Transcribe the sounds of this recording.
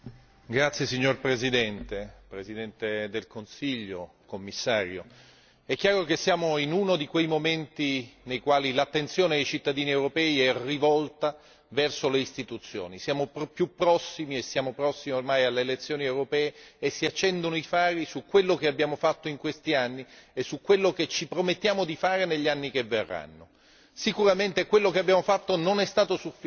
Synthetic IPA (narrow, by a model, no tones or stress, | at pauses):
ɡɾat̪sjesiɲːorpɾezid̪ɛnt̪epɾezid̪ɛnt̪ed̪elkonsiʎːo | komːisːaːɾjo | ɛkːjaːɾokesːjaːmoinunod̪ikwejmoment̪inejkwaːlilat̪ːent̪sjoːned̪ejt͡ʃit̪ːad̪iːniewɾopɛːiɛrivɔlt̪a | vɛrsoleist̪it̪ut̪sːjo̰ːnisjaːmoppjupːɾɔsːimiesːjaːmopɾɔsːimiormaːjalːeːlet̪sːjoːniewɾopɛːeesːiat͡ʃːɛnd̪onoifaːɾisukːwelːokeabːjaːmofat̪ːoiŋkwest̪ianːiesːukwelːoket͡ʃːipɾomet̪ːjaːmod̪ifaːɾeneʎːanːikevːerːa̰nːo | sikuɾament̪ekwelːokeabːjaːmofat̪ːononɛst̪aːt̪osufi